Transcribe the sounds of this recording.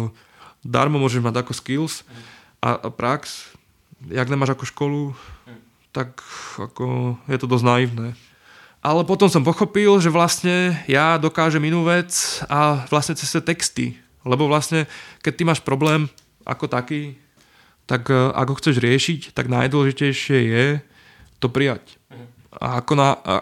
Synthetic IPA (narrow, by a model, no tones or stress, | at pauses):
d̪a̰ɾmɔmʊɔʒɛʒmaɟakɔskils | ʔa̰ʔpɾaks | jaɡɲɛmaːʒakɔʃkɔlu | t̪aka̰kɔjɛt̪ɔd̪ɔznaiʋnɛː | ʔalɛpɔt̪ɔmsɔmpɔxɔpilʒɛʋlasɲɛjad̪ɔkaːʒɛminuːʋɛt͡saʋlasɲɛt͡sɛ̥st̪ɛt̪ɛkst̪ḭ | lɛbɔʋlasɲɛkɛc̚t̪ːimaːʃpɾɔblɛːm | ʔa̰kɔt̪akiː | t̪akʔa̰ɡɦɔxt͡sɛʒɾɪɛʃict̪aɡnajd̪wɔlɛʒicɛjʃɪɛjɛ | t̪ɔpɾijac | a̰kɔna̰